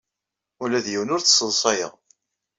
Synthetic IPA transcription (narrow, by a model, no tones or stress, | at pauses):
ʊlæðjiwnʊɾt͡sːsːəlˤsˤɑjə̰ʁ